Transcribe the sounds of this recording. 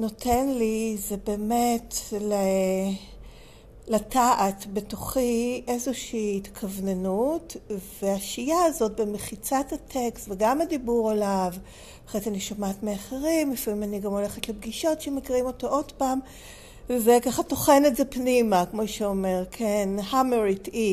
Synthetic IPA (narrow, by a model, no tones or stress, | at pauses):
no̞tʰenlizebe̞ːmetle | lataʔatbe̞toχiʔe̞zoʃiːhitkʰavnenutveaʃijaazo̞t̚bemeχit͡sathatʰekstveɡamadibuʁalav | aχetaniʃomatmeaχeʁimlifamimaniɡamo̞le̞χetlebɡiʃo̞tʃemekiʁimo̞toʔo̞dpam | zekaχato̞χe̞netze̞pnimakmo̞ʃeo̞me̞ʁkʰenhameʁiti